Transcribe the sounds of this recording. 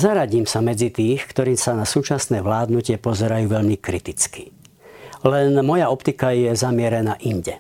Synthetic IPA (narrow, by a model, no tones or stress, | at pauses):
zaɾaɟiːmsamɛd͡zit̪iːxkt̪ɔɾiːsanasuːt͡ʃasnɛːʋlaːd̪nucɪɛpɔzɛɾajuːʋɛʎmikɾit̪it͡ski̥ | lɛnmɔjaɔpt̪ikajɛzamɪɛɾɛnaːʔinɟɛ